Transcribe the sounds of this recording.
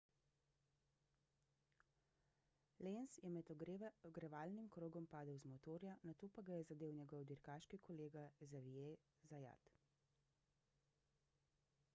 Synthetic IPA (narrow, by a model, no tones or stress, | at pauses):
lensjɛmɛt̪ɡɾɛʋaːlnimkɾoːɡɔmpaːd̪əwzmɔt̪oːɾjanat̪oːpaɡajɛzad̪eːwnʲɛɡɔwd̪iɾkaːʃkikʰɔleːɡazaʋije | zaja̰t̪